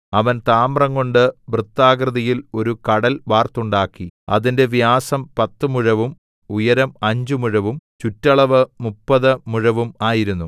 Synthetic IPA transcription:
ɐʋɐnt̪aːmrɐŋɡo̞ɳɖɨbrɨt̪ːaːɡrɨðɐjilo̞ɾukɐɽɐlʋaːrt̪uɳɖaːkːiɐ̰ðinde̞ʋjaːsɐmpɐt̪ːɨmuɻɐʋum | ujɐɾɐmɐɲd͡ʑumuɻɐʋumt͡ɕutːɐɭɐʋɨmupːɐðɨmuɻɐʋumaːjiɾunːu

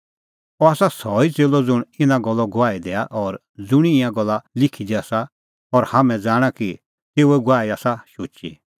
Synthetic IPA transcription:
ɔaːsasɔit͡seːlɔd͡zʊɽ̃ɪnãɡɔlːɔɡʊaːid̪ɛːaʔɔːɾ | d͡zʊɽ̃iĩãɡɔlːalɪkʰid̪iaːsa | ɔɾhamɛ̃d͡zaːɽ̃aki | teːuɛɡʊaːiaːsaʃoːt͡ʃḭ

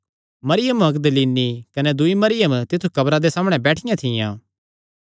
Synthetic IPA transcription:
mɐɾɪjəmɐkd̪əliːnːikɐnɛd̪ʊimɐɾɪjəmt̪ɪt̪ʰːukɐbɾad̪esaːmɽ̃ɛbɛːʈʰɪjãt̪ʰɪjã̰ː

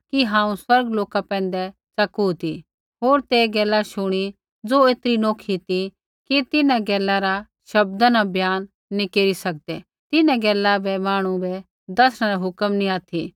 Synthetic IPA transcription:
kiɦãːũswɐɾɡloːkapɛ̃ːn̆d̪ɛ | t͡sɐkut̪i | ɦoːɾt̪eːɡɛːlːaʃʊɽ̃i | d͡zoːeːt̪ɾinoːkʰit̪i | kit̪ɪnãɡɛːlːaɾa | ʃɐb̚d̪anabjaːnː | ĩkeːɾisɐk̚d̪ɛ | t̪ɪnãɡɛːlːabɛmaːɽ̃ũbɛ | d̪ɐsɽ̃aɾaɦʊkəmnĩaːt̪ʰi

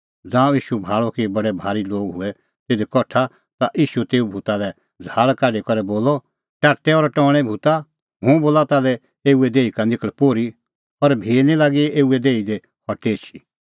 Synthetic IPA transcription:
d͡zãːiːʃubʱaːɭɔkibɐɽɛbʱaːɾiloːɡɦʊɛ | t̪eːd̪ekɔʈʰa | t̪aʔiːʃut̪eːubʱuːt̪alɛ | d͡zʱaːɭkaːɖekɔɾɛboːlɔ | ʈaːʈːɛɔɾʈɔ̃ːɽ̃ɛ̃bʱut̪a | ɦʊ̃boːlat̪alɛ | eːuɛd̪eːikanɪkəɭpoːɾi | ɔɾbʱeːnilaːɡieːuɛd̪eːid̪e | hʰɔʈet͡ʃʰi

